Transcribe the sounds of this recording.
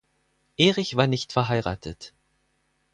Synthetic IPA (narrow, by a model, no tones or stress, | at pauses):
ʔeːʁɪçv̥aːɐnɪçtfɛɐɦaɪʁa̰ːtʰət